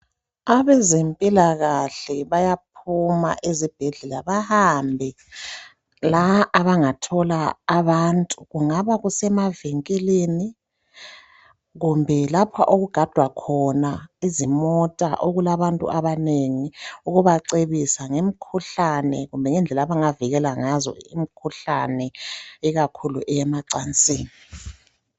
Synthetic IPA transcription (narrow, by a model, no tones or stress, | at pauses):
aβɛzempʼilaɣaɬɛβajap̚ʰuma̰ʔezib̥ʱeɮɛlaβahambʱi | laʔːβaŋatʰɔlaːβantʼuɣuŋaβaɣusɛmaveŋkʼileni | ɣumbʱɛlapʰaʔoɣuɡ̥ʱad̥ʱwakʰɔnaizimɔtʼa̰ʔoɣulaβantʼṵʔaβaneŋiuɣuβaǀeβisaŋem̩kʰuɬanɛɣumbʱɛŋɛnd͡ɮʱɛlaβaŋaviɣɛlaŋazɔ̰ḭmikʰuɬanɛiɣakʰuluʔɛjɛmaǀant͡sʼiːni